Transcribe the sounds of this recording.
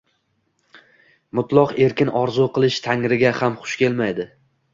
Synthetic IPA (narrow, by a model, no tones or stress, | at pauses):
mʊt̪ʰlˠɒqe̞ɾkʲɪnɒɾzuqʰɨlˠɪʃt̪ʰaŋɾɪɡʲahamχʊ̥ʃkʲe̞lmajd̪ɪ